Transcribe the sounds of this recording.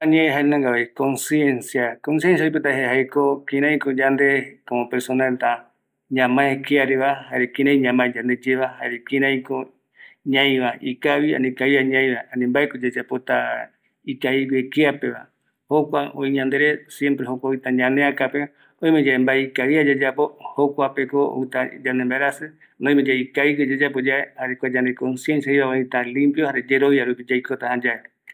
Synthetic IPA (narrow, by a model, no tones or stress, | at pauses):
aɲẽɦaenãŋɡaβejkõnsiensjakonsijensjaojp̬et̪aɦeɦaekokĩɾ̃ãj̃kod͡ʒand̪ekomõpeɾsonat̪a | ɲãmãekeaɾeβahaɾekĩɾãj̃ɲãmãd͡ʒand̪e̞d͡ʒeβahaɾekĩɾãj̃ko | ɲãj̃βaʔikaβia̰nĩkaiaɲãj̃βaanĩmbaekod͡ʒed͡ʒapot̪a | ikaiβekeape̞βa̰ | hokʷaõ̰ĩɲãnd̪eɾesje̞mpɾehokʷaoit̪aɲãnẽakape | oj̃mẽd͡ʒaembaeikaβiad͡ʒad͡ʒapohokʷape̞koo̰it̪ad͡ʒãnembaeɾasɨ | nõj̃mẽd͡ʒaikaikod͡ʒed͡ʒapod͡ʒaehaɾekʷad͡ʒãnd̪ekonsje̞nsjaiβaoit̪alĩmpjohaɾed͡ʒeɾoβjaɾupid͡ʒajkot̪ahãd͡ʒae